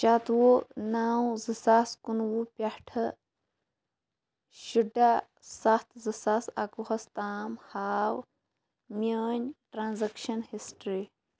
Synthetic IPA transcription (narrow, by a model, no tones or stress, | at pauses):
t͡ʃat̪wonaːw̃zɨsaskunwupʲɐhʈʰɐ | ʃuɖa | sɐht̪ʰzɨsasɐ̰kuhɐst̪aːmhaːw | mʲəːnʲʈɾaːnzɐkʃɐnhisʈɾi